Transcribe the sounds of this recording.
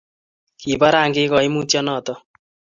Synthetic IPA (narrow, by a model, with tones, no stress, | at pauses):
ki˨baɾaː˨ŋɡekɔ˨i˦mũː˦t͡ʃjɔnɔt̪ɔ